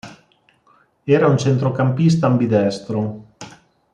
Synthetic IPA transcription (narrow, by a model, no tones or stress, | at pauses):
ɛːɾaunt͡ʃent̪ɾokampis̬t̪aːmbid̪ɛst̪ɾo